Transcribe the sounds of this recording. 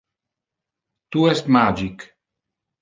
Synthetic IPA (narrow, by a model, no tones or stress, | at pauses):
t̪uɛst̪mad͡ʒik